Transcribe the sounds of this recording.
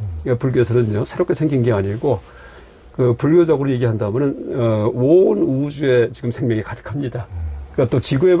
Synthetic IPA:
kapuɭɡjoesʰʌnɯnjosʰeɾopk͈ʰe̞sʰeŋɡinɡe̞aɲiɡo | kɯpuɭɡjod͡ʑaɡɯɾoje̞ɡiɦandaɦumjʌnɯnʌonud͡ʑue̞t͡ɕiɡɯmsʰe̞ŋmjʌŋikadɯ̥kʰamɲidak͈at͈ot͡ɕiɡue

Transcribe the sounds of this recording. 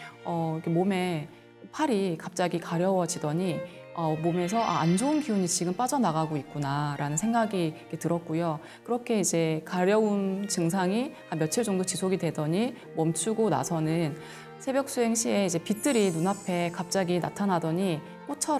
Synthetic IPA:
ʌikemome̞ | pʰaɾikap̚t͡ɕ͈aɡikaɾjʌwʌd͡ʑidʌɲi | ʌmome̞s̬ʰʌʔa̰and͡ʑounkiuɲit͡ɕiɡɯmp͈ad͡ʑʌnaɣaɡoit̚k͈unaɾanɯnsʰeŋɡaɡiik͈e̞tɯɾʌt̚k͈ujo | kɯɾʌkʰe̞id͡ʑe̞kaɾjʌunt͡ɕɯŋsʰaŋi | amjʌt͡ɕʰiɭt͡ɕoŋdot͡ɕisʰoɡidwe̞dʌɲi | mʌmt͡ɕʰuɡona̰sʰʌnɯn | sʰe̞bjʌk̚s͈uɦe̞ŋɕʰie̞id͡ʑe̞pit͈ʰɯɾinunapʰe̞kap̚t͡ɕ͈aɡina̰tʰanadʌɲi | k͈ot͡ɕʰʌɾ

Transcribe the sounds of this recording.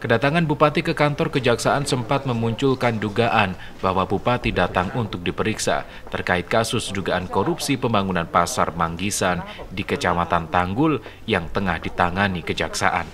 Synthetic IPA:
kədat̪aŋanbupat̪ikəkant̪ɔrkəd͡ʒaksaʔansəmpat̪̚məmuɲt͡ʃʊlkanduɡaʔan | bahwabupat̪idat̪aŋunt̪ʊk̚dipəɾiksa̰ | t̪ərkaɪt̪̚kasʊsduɡaʔankoɾupsipəmbaŋunanpasa̰rmaŋɡisandikət͡ʃamat̪ant̪aŋɡʊl | jaŋt̪əŋahdit̪aŋanikəd͡ʒaksa̰ʔa̰n

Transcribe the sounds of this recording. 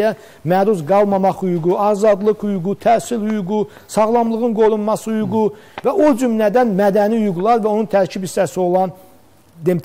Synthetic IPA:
jæ | mæɾuzɡɑlˠmɑmɑχhujuɡuɑzɑd̪lˠɯkhujuɡut̪ʰæsilhyjuɡu | sɑʁlˠɑmlˠɯʁɯnɡo̞ɾunmɑsɯhujuɡu | væʔod͡ʒymlæd̪ænmæd̪æniujuɡlˠɑɾvæo̞nunt̪ʰæɾcʰibist̪æsio̞lˠɑn | d̪emt̪

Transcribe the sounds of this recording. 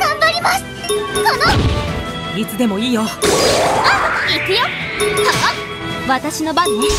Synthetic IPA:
ɡ̥ãmbaɾʲimasɨ̥ | sono | ɾit͡sɨd̪e̞mo̞iːjo | anokoːkɯ̟jok̪aa | βat̪aɕino̞baɲːi

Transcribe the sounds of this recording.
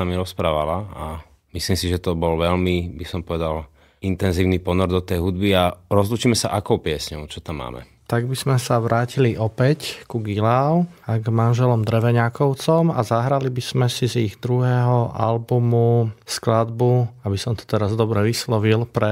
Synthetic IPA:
amiɾɔspɾaːʋalaa | mislimsiʒɛt̪ɔbɔlʋɛʎmibisɔmpɔʋɛd̪al | int̪ɛnziːʊnipɔnɔɾd̪ɔt̪ɛjɦud̪biaɾɔzlut͡ʃiːmɛsa̰ʔakɔʊpɪɛsɲɔʊt͡ʃɔt̪amːa̰ːmɛ̰ | t̪aɡbiz̥mɛsaʋɾaːciliʔɔpɛckuɡilaʊaɡmanʒɛlɔmd̪ɾɛʋɛɲakɔʊt͡sɔma̰zaɦɾalibiz̥mɛsiziɣd̪ɾuɦɛːɦɔa̰lbumusklad̪buabisɔmt̪ɔ̥t̪ɛɾazd̪ɔbɾɛʋislɔʋilpɾɛ

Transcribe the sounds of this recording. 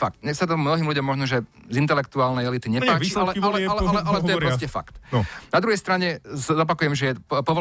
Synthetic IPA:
fa̰kt̪ɲɛxsat̪ɔmnɔɦiːmluɟɔmːɔʒnɔʒɛ | zint̪ɛlɛkt̪uaːlnɛjɛlit̪iɲɛpaːialɛalɛalɛɛalɛt̪ɔjɛpɾɔscɛfa̰kt̪nnad̪ɾuɦɛjst̪ɾaɲɛɔp̬akujɛmʒɛjɛpɔʋɔ

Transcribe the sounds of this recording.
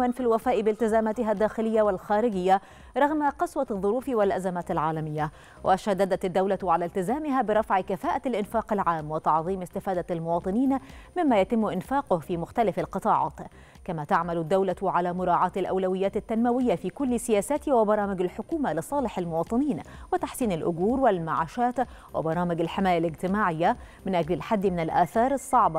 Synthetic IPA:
aːnfilwafaːʔɪbɪlt̪ɪzaːmaːt̪ɪɦad̪ːaːxɪlɪjːawalxaːɾɪɡɪjːa | ɾˤɑɣmaqɑswaðˤːʊɾuːfwɪlʔazamaːt̪alʕaːlamɪjːa | wʔaʃad̪ːad̪at̪ad̪ːawlaʕalaːlt̪ɪzaːmɪɦaːbɪɾˤɑfʕɪkafaːʔaalʔɪnfaːqɪlʕaːmːwɪt̪ɑʕðˤiːmɪst̪ɪfaːd̪almʊwɑːt̪ˤɨniːnmɪmːaːjat̪ɪmːʊʔɪnfaːqʊhfiːmʊxt̪alafalqɨt̪ˤɑːʕɑ̰ːt̪ | kamat̪aʕmalʊd̪ːawlaʕalamʊɾˤɑːʕɑːt̪ɪlʔawlawɪjːaːt̪ɪt̪ːanmawɪjːafiːkʊlːsɪjaːsaːt̪ɪwɪbɑɾˤɑːmɪɡalħʊkuːmalɨsˤɑːlɪħalmʊwɑːt̪ˤɨniːnwɪt̪aħsiːnalʔʊɡuːɾwɪlmaʕaːʃaːt̪ | wɪ̰bɑɾˤɑːmɪɡalħɪmaːjalɪɡt̪ɪmaːʕɪjːamɪnʔaɡlɪlħad̪ːmɪnɪlʔaːθɑːɾˤɨsˤːɑʕbɑ

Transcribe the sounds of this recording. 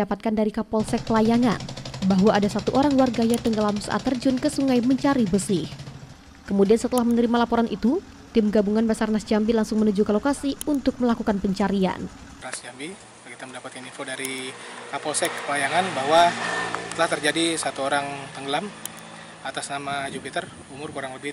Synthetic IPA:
apat̪̚kandaɾikapɔlsɛk̚pəlajaŋa̰nbaɦwaːdasat̪uʔoɾaŋwarɡajat̪əŋɡəlamsə̰ʔa̰t̪ərd͡ʒʊnkəsuŋajməɲt͡ʃaɾibəsɪh | kəmudiansət̪əlahmənəɾimalapoɾanʔit̪u | t̪ɪmɡabuŋanbasarnasd͡ʒambilaŋsʊŋmənud͡ʒukalokasiunt̪ʊk̚məlakukanpəɲt͡ʃaɾia̰n | nasd͡ʒambi | akit̪aməndapat̪inifodaɾiapolsɛkəpajaŋanbahwasət̪əlaht̪ərd͡ʒadisat̪uoɾaŋt̪əŋɡəlam | at̪asnamad͡ʒupit̪ər | umʊrkuɾaŋməbi

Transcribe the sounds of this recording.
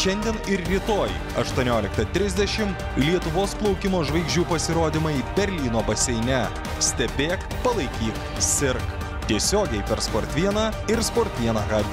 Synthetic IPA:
ʃʲɛnʲd̪ʲiɛnɪɾɾʲɪt̪oːj | ɐ̰ʃt̪uɔnʲoːlʲɪkt̪ɐt̪ʲɾʲɪzʲd̪ʲɛʃʲɪm | lʲiɛt̪ʊʋoːsplˠɒʊkʲɪmoːʒʋɐɪɡʒʲd͡ʒʲuːpɐsʲɪɾoːd̪ʲɪmɐibʲɛɾʲlʲiːnoːbɐsʲɛɪnʲɛ | sʲt̪ʲɛbʲeːk | pɐlˠɐɪkʲiːk | sʲɪɾk | t̪ʲiɛsʲoːɡʲɛɪpʲɛɾspoːɾʲt̪ʲʋʲiɛnɐɪɾspoːɾʲt̪ʲʋʲiɛnɐɡɑː

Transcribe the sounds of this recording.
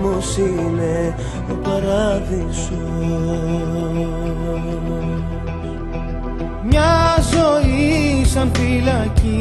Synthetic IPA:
musi | ne | opɐɾɐðisu | mɲɐzoisɐnfilɐci

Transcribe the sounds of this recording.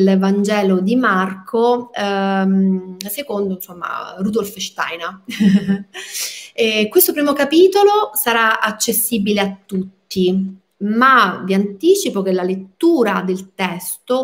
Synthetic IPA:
lvand͡ʒɛːlod̪imarkʰo | msekond̪onsomːa̰rud̪olfʃt̪a̰jna | ɛkwest̪opɾiːmokapiːt̪olosaɾaat͡ʃːesːiːbileat̪ːut̪ːi | maviant̪iːt͡ʃipok̟elalet̪ːuːɾad̪elt̪ɛst̪o

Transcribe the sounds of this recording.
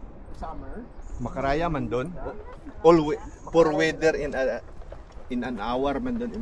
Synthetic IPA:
mɐkɐɾaːjamɐnd̪onʔolwɛpɔɾwɛd̪ɛɾɪnɐ | ʔɪnɐnʔaːwɛɾmɐnd̪onɪ

